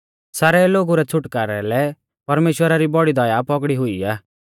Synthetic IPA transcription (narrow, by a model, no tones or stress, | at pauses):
saːɾɛloːɡuɾɛt͡sʰʊʈkaːɾɛlɛ | pɐɾmeːʃwəɾaɾibɔɽid̪ɐjapɔkɽiɦʊiaː